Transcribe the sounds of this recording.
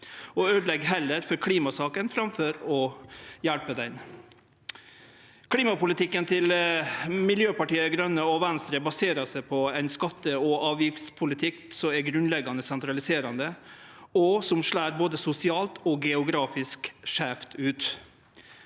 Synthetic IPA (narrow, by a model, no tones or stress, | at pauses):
ɔøːd̪lɛɡɦɛlːəɾfɔɾkʰliːmɑsɑːkənfɾɑmfœɾɔjælpəd̪ɛn | kʰliːmɑpʊlɪt̪ɪkːənt̪ʰɪl | mɪljøːpɑʈiːəɾɡɾœnːəɔʋɛnst̪ɾəbɑseːɾɑsɛɪpʰɔɛɪnskɑt̪ːəɔɑːʋjɪft̪spʰʊlɪt̪ʰɪksɔmɛɡɾʉnlɛɡːɑnəsɛnt̪ʰɾɑlɪseːɾɑnd̪ə | ɔsɔmʂɭæːɾboːd̪əsʊsɪɑːlt̪ɔɡɛʊɡɾɑːfɪskʂæːft̪ʰʉːt̪